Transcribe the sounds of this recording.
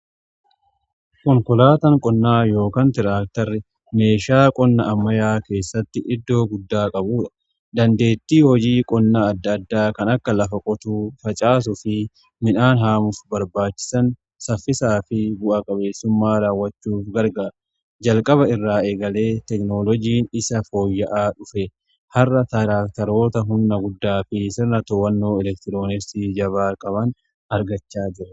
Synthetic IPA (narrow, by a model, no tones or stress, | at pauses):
kɔŋkɔlaːt̪ɐŋkʼɔnːaːjo̞ːkɐnt̪ɪɾaːk̚t̪ɐɾːɪ | me̞ːʃaːkʼɔnːɐʔɐmːɐjaːke̞ːsːɐt̪ːɪʔɪd̪ːo̞ːɡʊd̪ːaːkʼɐbuːᶑɐ̥ | d̪ɐnd̪e̞ːt̪ːiːhɔd͡ʒiːkʼɔnːɐːd̪ːɐd̪ːaːkɐnɐkːɐlɐfɐkʼɔt̪uːfɐt͡ʃʼaːs̬ʊfɪ | mɪnaːnɦaːmʊfbɐɾbaːt͡ʃːɪ̥sɐn | sɐfːɪsaːfɪbʊʔɐkʼɐbe̞ːsːʊmːaːɾaːwːɐt͡ʃːuːfɡɐɾɡɐ | d͡ʒɐlkʼɐβɐɪrːaːeːɡɐle̞ːt̪ɛknoːlɔd͡ʒiːnɪsɐfo̞ːjːɐʔaːᶑʊfɛ | hɐrːɐt̪ɐɾaːk̚t̪ɐɾo̞ːt̪ɐɦʊnːɐɡʊd̪ːaːfɪsɪrnɐt̪ɔwɐnːo̞ːɛlɛk̚t̪ɪɾo̞ːnɛɾsid͡ʒɐβaːkʼɐbɐn | ɐɾɡɐt͡ʃːaːd͡ʒɪɾɛ